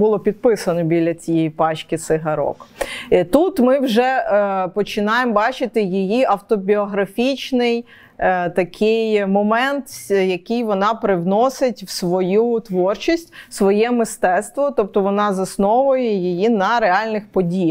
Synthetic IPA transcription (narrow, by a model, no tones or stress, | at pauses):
bʊlˠɔpʲid̪̚pɪsɐnɔbʲilʲːɐt͡sʲijɛjpɑt͡ʃkʲɪsɪɦɐɾɔ̰kt̪ut̪mɪwʒɛpɔt͡ʃɪnɑjembɑt͡ʃɪt̪ɪjijiʔɐwt̪ɔbʲiɔɦɾɐfʲit͡ʃnɪj | t̪ɐkʰɪjmɔmɛnt̪jɐkɪjʋɔnɑpɾɪwnɔsɪtʲwsʋɔjut̪ʋɔrt͡ʃisʲtʲsʋɔjɛmɪst̪ɛt̪st̪ʋɔt̪ɔp̚t̪ɔʋɔnɑzɐsnɔʋʊjɛjijinɐɾeɑlʲnɪxpɔdʲij